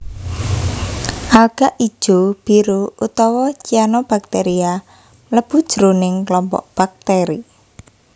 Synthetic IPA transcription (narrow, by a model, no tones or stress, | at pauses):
ʔalɡ̥aʔi̥ʒ̥ob̥iɾuut̪ɔwɔt͡ʃianɔb̥ak̚t̪eɾia | mələb̥ud̥ʒ̥əɾunɪŋklɔmpɔ̰ʔb̥ak̚t̪eɾi